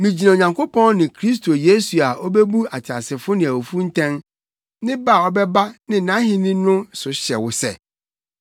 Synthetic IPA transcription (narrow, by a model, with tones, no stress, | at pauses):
mĩ˨d͡ʑi˨nã˨o˨ɲã˨ŋkʰo˦pʰɔ̃˦nnɪ̃˨kʰɾi˦s̬tʰo˨je˦su˨a˨ɔ˦be˦bu˦a˨tʰa˨sɪ˨fʊ˦nɪ̃˨a˨wo˨fu˦n̩˦tʰɛ̃˦n | nɪ̃˦ba˦˨ɔ˦bɛ˦ba˦nɪ̃˦nã˦ɦɪ̃˦nɪ̃˦nʊ̃˦sʊ˨ɕɛ˨wʊ˦sɛ̰˦˨